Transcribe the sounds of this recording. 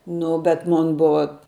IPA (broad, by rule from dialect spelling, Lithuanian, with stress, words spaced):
ˈnʊ bʲɛt ˈmoːn ˈbʊʋɐ